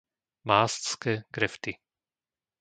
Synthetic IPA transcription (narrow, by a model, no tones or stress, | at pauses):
maːst̪skɛkɾɛft̪i